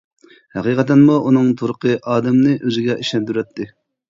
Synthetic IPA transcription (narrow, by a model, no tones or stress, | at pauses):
hɛqiqʰɛt̪ɛnmuʔunɨŋt̪ʰuɾəqʰəʔɑːd̪ɛmnɪʔøzɪɡʲɛʔiʃlɛnt̪yɾɛt̪ʰːɪ